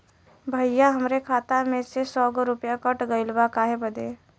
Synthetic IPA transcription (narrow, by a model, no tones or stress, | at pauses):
bʱəjaɦəmɾekʰaːt̪amẽsesɔːɡɾʊpjakəʈɡəɪlbakaːɦebəd̪eː